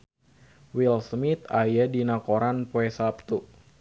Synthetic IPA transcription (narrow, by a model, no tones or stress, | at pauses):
wilsmit̪ajadinakoɾanpoɛsap̚t̪u